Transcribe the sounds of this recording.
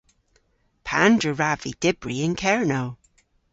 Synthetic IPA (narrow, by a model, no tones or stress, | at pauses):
pʰãndɹəɹavid̥ɪbɹiɪ̃nkʰɛɹnoʊ